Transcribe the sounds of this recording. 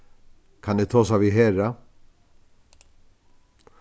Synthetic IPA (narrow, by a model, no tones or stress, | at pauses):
kʰanɪt̪ʰoːsaviɦɛːɾa